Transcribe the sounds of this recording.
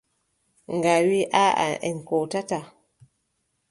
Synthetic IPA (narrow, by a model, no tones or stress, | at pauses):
ŋɡawiʔaa̰ʔɛ̰nkotata